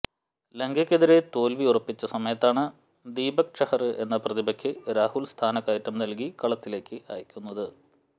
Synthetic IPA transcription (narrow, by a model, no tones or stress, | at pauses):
leŋɡɐkʲːeðiɾe̞t̪o̞ːlʋiurɐpːit͡ɕːɐsɐmɐjɐt̪ːaːɳɨ | d̪iːbɐk̚ʂɐhɐrɨʔe̞nːɐprɐðibɐkʲːɨɾaːhulst̪ʰaːnɐkːaːjitːɐmnɐlkikɐɭɐt̪ːile̞ːkʲːɨa̰ːjɐkʲːunːɐðɨ